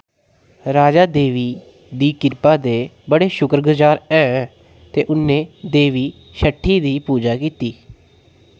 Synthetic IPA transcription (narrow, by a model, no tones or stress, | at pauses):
ɾaːd͡ʒaːd̪eːʋiː | d̪iːkɪɾpaːd̪eːbəɽeːʃʊkɾɡʊd͡ʒaːɾɛ̃ː | t̪eːʔʊnːẽːd̪eːʋiː | ʃəʈʰːiːd̪iːpuːd͡ʒaːkiːt̪iː